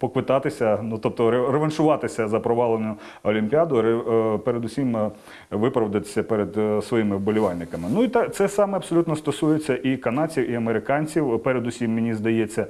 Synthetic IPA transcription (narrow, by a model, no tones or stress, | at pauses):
pɔkʋɪt̪ɑt̪ɪsʲɐnut̪ɔp̚t̪ɔɾereʋɐnʃʊʋɑt̪ɪsʲɐzɐpɾɔʋɑlˠenʊ | ɔlʲimʲpʲiɑd̪ʊɾepeɾed̪ʊsʲim | ʋɪpɾɐʋd̪ɐt̪ɪ̥sʲɐpɛɾed̪sʋɔjimɪwbɔlʲɪʋɑlʲnɪkɐmɪnuit̪ɛt̪sɛsɑmɛɐbsɔlʲut̪nɔst̪ɔsujet͡sʲːɐʔikɐnɑt͡sʲiwʔiɐmeɾɪkɑnʲt͡sʲiwpɛɾed̪ʊsʲimːɪnʲizd̪ɐjet͡sʲːɐ